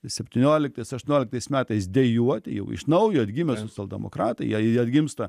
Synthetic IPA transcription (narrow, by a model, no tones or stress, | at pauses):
sʲɛpʲt̪ʲɪnʲoɔlʲɪk̚t̪ɐɪsɐʃt̪ʊnʲoːlʲɪk̚t̪ɐɪsmʲæːt̪ɐɪs̬d̪ʲɛjuɔt̪ʲɪjɛ̰ʊɪ̰ʃnɐʊjoɐd̪ʲɡʲɪmʲɛsoːt͡sʲɛlˠd̪ʲɛmo̰kɾɑːt̪ɐɪjɐd̪ʲɡʲɪmst̪ɐ